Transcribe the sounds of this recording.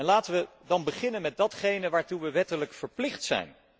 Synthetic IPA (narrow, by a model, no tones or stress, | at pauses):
ɛnlaːtəʋə | dɑnbəχɪnənmɛd̚dɑtχejnəʋaːɹtuʋəʋɛtələkfəɹplɪχtsɛ̰jn